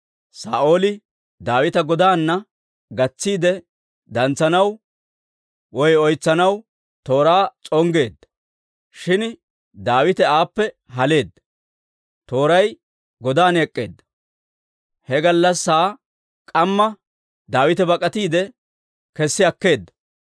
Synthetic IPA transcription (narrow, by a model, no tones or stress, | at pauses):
sa̰ːʔo̞ːlɪ | d̪aːwɪt̪ɐɡɔd̪aːnːɐ | ɡɐt͡sːiːd̪ɛ | d̪ɐnt͡sːɐnɐw | wɔjɔjt͡sːɐnɐw | t̪o̞ːɾaːt͡sʼɔŋɡe̞ːd̪ːɐ̥ | ʃɪn | d̪aːwɪt̪ɛaːpːɛ | ɦɐle̞ːd̪ːɐ̥ | t̪o̞ːɾɐj | ɡɔd̪aːnɛkʼːe̞̰ːd̪ːɐ̥ | hɛɡɐlːɐsːaː | kʼɐmːɐ | d̪aːwɪt̪ɛbɐkʼːɐt̪iːd̪ɛ | kɛsːɪɐkːe̞ːd̪ːɐ̥